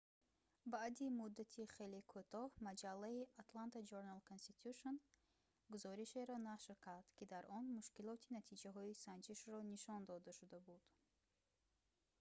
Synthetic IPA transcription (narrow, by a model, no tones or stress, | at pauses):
baʔd̪imud̪ːat̪ʰiχelikʰut̪ʰɔhmad͡ʒalːaiat̪lant̪ʰad͡ʒoɾnalkʰonst̪it̪ʰuʃon | ɡuzɔɾiʃe̞ɾɔnaʃɾkʰaɾd̪̥kʲʰid̪aɾʔɔnmuʃkilɔt̪ʰinat̪ʰid͡ʒaɦɔisand͡ʒiʃrɔniʃɔnd̪ɔd̪aʃud̪abud̪̥